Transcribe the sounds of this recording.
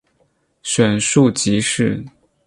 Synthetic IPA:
ɕɥɛ˨˩nʂu˥˩t͡ɕi˧˥ʂɻ̩˥˩

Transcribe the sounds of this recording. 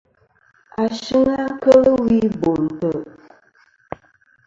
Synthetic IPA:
a˨ʃi˦ŋa˦kə˦lə˦wi˦bo˨n̩˨tə˨

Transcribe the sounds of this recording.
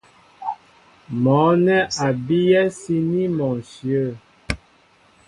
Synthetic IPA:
mɔ̃˨˦nɛ˦ʔa˨bi˦jɛ˦si˦ni˦mɔ̃˨sjə˦˨

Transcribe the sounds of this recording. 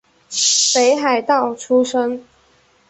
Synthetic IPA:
pe˨˧˥ɪxa˨˩ɪt̪ɑ˥˨ʊʈ͡ʂʰu˦ʂə˦ŋ

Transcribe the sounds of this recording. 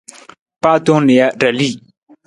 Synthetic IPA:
pa˦t̪o˥˦ŋnɪ˨ja˦ɖ͡ʐa˨li˦˨

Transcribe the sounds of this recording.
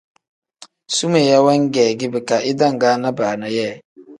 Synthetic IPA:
su˦me˨ja˦wɛ˦ŋ˦ɡɛː˨ɡɪ˦bɪ˨ka˨ʔɪ˦da˦˨ŋ̩˨ɡaː˨˦na˦baː˨na˨jɛː˦˨

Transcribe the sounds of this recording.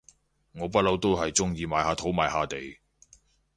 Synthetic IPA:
ŋɔː˨˧p̬ɐ˥t̚lɐ˨˥wt̪o˥wɦɐ˨jt͡sʊ˥ŋjiː˧maː˨˥jhaː˨˧t̪ʰo˨˥wmaː˨˥jhaː˨˧t̪e˨j

